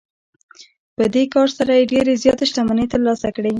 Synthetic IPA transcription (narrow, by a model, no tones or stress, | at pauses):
pəd̪ekɑɾsaɾajeɖeɾezjɑt̪eʃʈ̪amanet̪əɾlɑsakɽe